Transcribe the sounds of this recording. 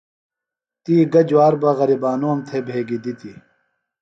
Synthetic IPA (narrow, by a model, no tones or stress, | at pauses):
t̪iːɡɐd͡ʑwaːɾbɐɣɐɾibaːnoːmt̪ʰebʱeːɡid̪it̪i